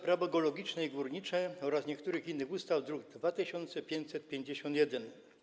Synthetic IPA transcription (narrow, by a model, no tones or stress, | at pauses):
pɾavɔɡɔlɔɡʲit͡ʂnɛiɡwuɾɲit͡ʂɛɔɾasɲɛkt̪uɾɘxinːɘxust̪awd̪ɾuɡd̪vat̪ɘɕɔnt̪sɛpʲjeɲt͡ɕsɛt̪̚pʲjeɲd͡ʑeɕɔnt̪jɛd̪ɛn